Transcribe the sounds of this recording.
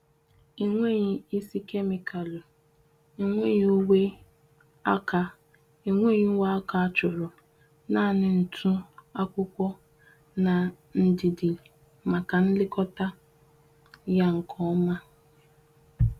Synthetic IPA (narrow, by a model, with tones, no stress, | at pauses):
i˨ŋʷe˦ɲi˦i˦si˦ke˦mi˨kʰa˨lo˨ | i˨ŋʷe˦ɲ˦u˦we˦ | a˦ka˨ | i˨ŋʷe˦ɲi˦wa˦a˦ka˨a˦t͡ʃʊ˨ɾɔ˨ | na˦˨nɪ˨n̩˨tʰʊ˦a˦kʷʊ˦kʷɔ˦ | na˨ | n̩˨dɪ˨dɪ˨ | ma˨ka˨n̩˦lɪ˦kɔ˦ta˦ | ja˦ŋ̩˨kʰɔ˦ma˦